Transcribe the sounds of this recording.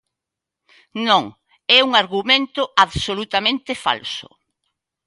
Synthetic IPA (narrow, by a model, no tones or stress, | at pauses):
nõŋ | ɛuŋaɾɣumẽnt̪ʊaβsolut̪amẽnt̪ɪfa̰lsʊ̰